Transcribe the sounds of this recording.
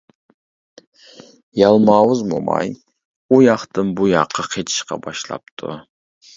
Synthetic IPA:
jɑlˠmɑwɨzmo̰mɑ̰j | ujɑχt̪ɨnbujɑqʰːɑqʰet͡ʃ̪ʰɪ̥ʃqɑ̰bɑʃlˠɑ̰p̚t̪ʰʊ̰

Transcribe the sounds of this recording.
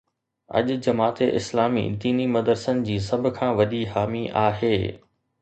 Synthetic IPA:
ɐ̰ʄʊd͡ʑɐmaːt̪eʔɪ̰slaːmḭd̪iːnimɐd̪əɾsənɪ̆d͡ʑiːs̬ɐbʱʊ̆kʰãːʋɐɗiɦaːmiʔaːɦeː

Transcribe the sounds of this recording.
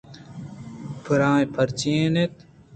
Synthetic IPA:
pʰɨɾãːẽpʰɐɾt͡ɕẽːnet̪

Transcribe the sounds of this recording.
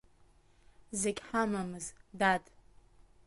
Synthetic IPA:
zeɡʲħamamɨzdadʰʼ

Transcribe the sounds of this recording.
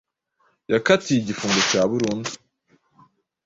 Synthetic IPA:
jakatijiɟifuːŋɡocaːβuɾuːndu

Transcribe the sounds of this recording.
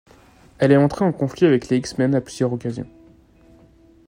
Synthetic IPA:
ɛlɛɑ̃t̪χeɑ̃kɔ̃fliavɛkleiksmɛnaplyzjœʁɔkazjɔ̰̃

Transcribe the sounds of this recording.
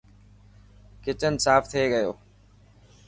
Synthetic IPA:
kɪt͡ʃənsaːft̪ʰieːɠəjo̰ː

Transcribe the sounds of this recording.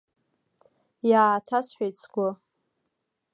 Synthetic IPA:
jaːtʰasħʷᶣejt͡sʰɡʷʊ

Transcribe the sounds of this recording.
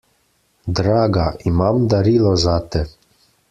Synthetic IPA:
d̪ɾaːɡaimamd̪aɾiːlɔzat̪ɛ

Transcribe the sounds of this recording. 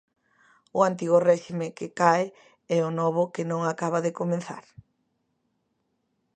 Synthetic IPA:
ʊant̪iɣʊrɛʃimɪkɪkae | ɛʊnɔβʊkɪnõŋakaβaðekomẽnθa̰ɾ

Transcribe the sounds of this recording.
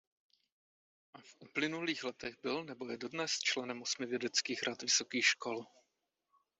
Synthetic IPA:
ʔafʔuplɪnuliːxlɛt̪ɛɣbɪlnɛbo̞jɛdo̞dnɛst͡ʃlɛnɛmʔosmɪvjɛdɛt͡skiːxɾat̪vɪso̞kiːxʃko̞l

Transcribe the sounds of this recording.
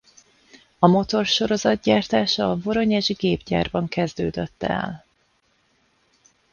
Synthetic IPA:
ɒmo̞t̪o̞rʃo̞ɾo̞zɒd̪̚ɟaːrt̪aːʃɒːvo̞ɾo̞ɲɛʒɡeːbɟa̰ːrbɒŋkɛzd̪øːd̪øt̪ːɛ̰l

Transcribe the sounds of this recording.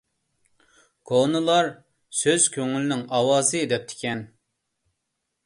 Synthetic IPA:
kʰonɨlˠɑɾ | søz̥kʲʰøŋylnɪŋɑwɑːzɨd̪ɛp̚t̪ʰɪ̥kʲɛn

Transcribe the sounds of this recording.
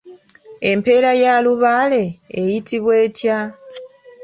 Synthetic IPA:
e̞mpe̞ːɾajaːluβaːle̞ːjitʰiβwe̞ːtja

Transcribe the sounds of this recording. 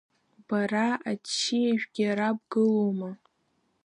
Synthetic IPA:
b̥araat͡ʃʰːiaʒᶣɡʲɪɾab̚ɡɨlowma

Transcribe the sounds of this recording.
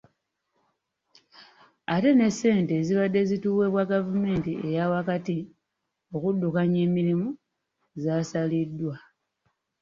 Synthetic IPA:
ate̞ne̞sːe̞ːnte̞ːziβadːe̞zituːwe̞βwaɡavume̞ːntie̞jawakati | o̞kudːukaɲe̞ːmiɾimu | zasalidːwa

